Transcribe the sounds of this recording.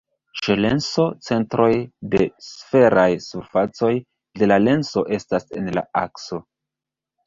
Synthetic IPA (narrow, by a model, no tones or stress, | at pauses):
ʃele̞nso̞t͡se̞ntɾo̞jde̞sfe̞ɾajsuɾfat͡so̞j | de̞lale̞nso̞ʔe̞stase̞̰nla̰a̰kso̞